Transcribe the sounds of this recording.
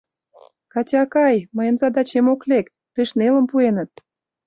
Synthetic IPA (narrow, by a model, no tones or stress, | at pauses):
kɑtʲɑkɑjməjə̆nzɑd̪ɑt͡ɕemoklek | peʃnelə̆mpuenə̆t̪̚